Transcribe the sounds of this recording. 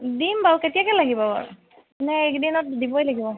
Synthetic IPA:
dinbaɹuketijakɛlaɡibɔa̰ɹu | nɛekdinɔt̚dibɔjlaɡibɔ

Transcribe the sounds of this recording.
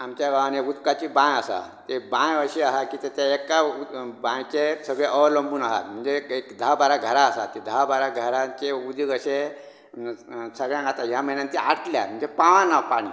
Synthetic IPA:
amt͡ɕjaɡaʋanjeud̪kat͡ɕibãjəsa̰t̪ebãjʋəɾɕiaɦakiːt̪et̪jaekːabãjt͡ɕesəɡɭeʔələmbuːnaɦa̰t̪m̤əɳd͡zeekd̪ʱabaɾaɡʱəɾaːsat̪ed̪ʱabaɾaɡʱəɾãt͡ɕeud̪ʱjiɡəɕe | səɡɭjãŋɡʱat̪aɦjam̤əinjãnt̪eaɽʈ̪lja̰m̤əɳd͡zepãʋãnːapaɽ̃ḭ

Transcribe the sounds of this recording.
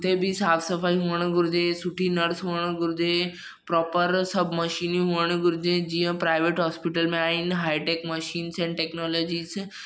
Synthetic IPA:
ʊt̪ebʱisaːt̪ʰsəfaːiɦuəɽ̃ɡʊɾd͡ʒesʊʈʰinəɾsɦuəɽ̃ɡʊɾd͡ʒe | pɾɔːpəɾsɐbʱməʃiːnĩɦuːəɽ̃ɡʊɾd͡ʒẽd͡ʒiə̃pɾaːɪʋeːʈɦɔːspiʈəlmẽaːinɦaːiʈeːkməʃiːnsɛ̃ːɳʈɛːknɔːlɔːd͡ʒiːs

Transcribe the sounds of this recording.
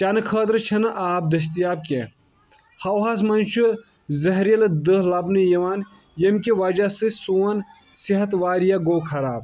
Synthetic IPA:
t̪ʲɐnɨkʰəːt̪ɾɨt͡ʃʰɐnɨʔaːb̚d̪ɐs̬t̪ijaːb̚kʲe | hɐwɦas̬mɐnt͡ʃʰu | zɐɦɾijɐlɨd̪ɨɦlɐbnɨjɐʋaːn | jɐmkʲiʋɐd͡ʒasɨsoːɐn | siɦɐt̪ʋaːɾijaɡoːkʰɐɾaːb̚

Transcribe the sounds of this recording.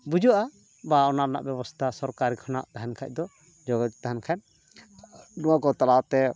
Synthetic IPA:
bud͡ʒɔʔa | baɔnana̰ʔbɛβɔst̪ʰasɔɾkaɾikʰɔna̰ʔt̪aɦankʰac̚d̪ɔ | d͡ʒɔɡɔd̪it̪aɦankʰan | nɔwakɔt̪alat̪ɛ

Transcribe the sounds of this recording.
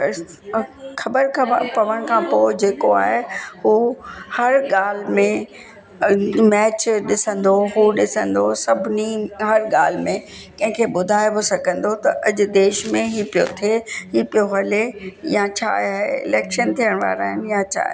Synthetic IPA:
xɐbəɾkʰpɐʋəɽ̃kʰãːpoːd͡ʑeːkoa̰ːɦehuːhɐɾɠaːl̤mẽ | mɛːt͡ɕɗɪsə̃nd̪oɦuːɗɪsə̃nd̪osɐbʱniɦɐɾɠaːl̤mẽ | kɐ̃ɦɪ̃kʰeːɓʊd̪ʱaːjʋosɐɡʱə̃nd̪ot̪ɐʔɐʄʊ̆d̪eːʃmẽɦipijot̪ʰeɦiːpijoɦɐlejat͡ɕʰa̰ːaːeɪ̰lɛːkʃənt̪ʰijəɽ̃ʋa̰ːɾaːɦɪnɪjat͡ɕʰa̰ː

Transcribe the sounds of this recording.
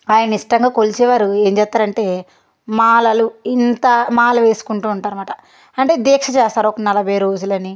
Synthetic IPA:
aːjɐnɐiʂʈɐŋɡaːkolit͡ʃɛːʋaːɾue̞ːɲd͡ʒɛːt̪ːaːɾɐɳʈe̞ː | maːlɐluint̪ɐmaːlɐʋe̞ːsu̥kuɳʈuːɳʈaːɾumaːʈɐ | ɐɳʈeːd̪eːkʂɐt͡ʃɛːst̪aːɾuɔkɐnɐlɐbʱɐjɐɾo̞ːd͡ʒulɐni

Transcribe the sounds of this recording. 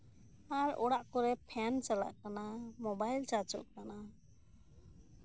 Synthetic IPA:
aɾɔ̰ɽaʔkɔɾɛpʰɛnt͡ʃala̰ʔkanamɔbajlt͡ʃaɾt͡ʃɔ̰ʔ̚kana

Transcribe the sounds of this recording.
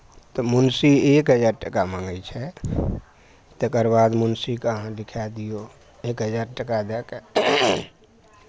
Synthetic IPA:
t̪ɔmunsiekɦəd͡ʒaɾʈəkamãŋɡət͡ʃʰɛ | t̪ekəɾbad̪munsikəɦãlikʰɛd̪ijo | ekɦəd͡ʒaɾʈəkad̪ɛke

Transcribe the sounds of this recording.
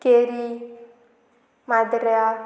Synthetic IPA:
keɾi | madɪɾɛa

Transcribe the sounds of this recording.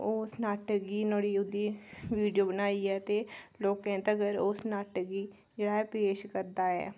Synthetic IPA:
oːsnaːʈɡiːnoːɽiːʊd̪iːʋiːɖijoːbənaːiːɛːt̪eːloːkɛ̃ːnt̪əɡəɾoːsnaːʈəɡiː | d͡ʒeːɽaːɦɛːpeːʃkəɾd̪aːɛ̰ː

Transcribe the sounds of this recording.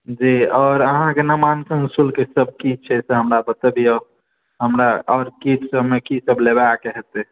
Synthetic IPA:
d͡ʒiɔːɾəɦãkenəmankə̃ŋɡsulkesəb̚kit͡ʃʰɛseɦəmɾabət̪əbʱiɔɾ | ɦəmɾaɔːɾkiʈsəbmekisəblebaakeɦɛt̪ɛ

